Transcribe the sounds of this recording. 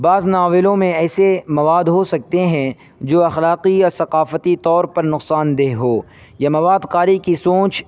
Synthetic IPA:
baːznaːʋɪlõmẽɛːsemɐʋaːd̪ɦosɐk̚t̪eɦɛ̃ | d͡ʒoːɐxlaːqiɔːɾsɐqaːfət̪it̪ɔːɾpɐɾnʊqsaːnd̪eːɦɦoː | jamɐʋaːd̪qaːɾikisõːt͡ʃ

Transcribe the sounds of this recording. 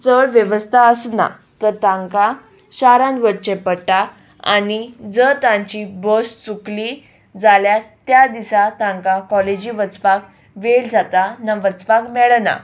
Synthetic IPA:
t͡səɽʋjəʋəst̪ʰaəsna̰ | t̪əɾt̪ãŋka | ɕaɾãnʋəɾt͡ɕepəʈa | a̰nid͡zət̪ãɲt͡ɕibɔst͡sukli | d͡zaljat̪jad̪isat̪ãŋkakɔled͡ʑiʋət͡spak | ʋeld͡zat̪anaʋət͡spakmɛɭna̰

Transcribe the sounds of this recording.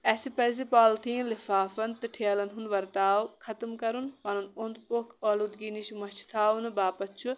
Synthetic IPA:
ɛsipɛːs̬ipaːlt̪ʰĩːnlifaːfɐnt̪ɨʈʰeːlɐnɦunʋɐɾt̪aːwkʰɐt̪mkɐɾunpɐnunond̪pokʰoːlud̪ɡiːniʃmɐt͡ʃʰt̪ʰaːʋunɨbaːpɐt͡ʃʰu

